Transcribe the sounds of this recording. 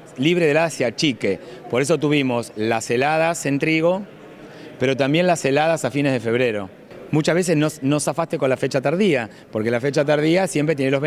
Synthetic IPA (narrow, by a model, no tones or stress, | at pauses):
liβɾeðelaðasjat͡ʃike̞po̞ɾe̞s̬o̞t̪uβimo̞slaselað̞ase̞nt̪ɾiɣo̞ | pe̞ɾo̞t̪ambje̞nlaselaðasafine̞zðe̞fe̞β̞ɾe̞ɾo̞ | mũt͡ʃazβe̞s̬esnosno̞safast̪e̞ko̞nlafe̞t͡ʃat̪aɾðia | po̞ɾke̞lafet͡ʃat̪aɾð̞iasjempɾet̪jeneloβe